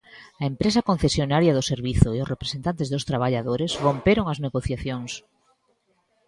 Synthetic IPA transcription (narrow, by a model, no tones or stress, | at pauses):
ɐempɾesɐkõn̟θesjonaɾjaðʊseɾβiθʊeʊsrepɾesent̪ant̪ezðost̪ɾaβaʎaðoɾezβompeɾoŋɐzneɣoθjaθjoŋs